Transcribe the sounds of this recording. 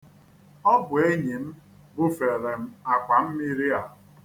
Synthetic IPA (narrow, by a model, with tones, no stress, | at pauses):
ɔ˦bʊ˨e˦ɲi˨m̩˦ | bʊ˦fe˨ɾe˨m̩˦a˨kʷa˨m̩˦mi˦ɾi˦a˨